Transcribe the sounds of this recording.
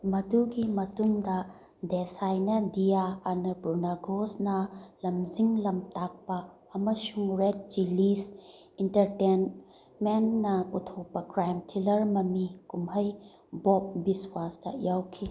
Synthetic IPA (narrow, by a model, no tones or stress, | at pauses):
mɐduɡimɐtuŋdɐ | desajnɐdijaːnɐpuɾnaɡosnɐlɐmziŋlɐmtak̚pɐː | mɐsuŋɾet̚d͡ʒilis | intɐɾten | menːɐputʰopɐkɾajmtʰilɐɾmɐmikumɦɐj | bɔp̚biswastɐ̰jawkʰi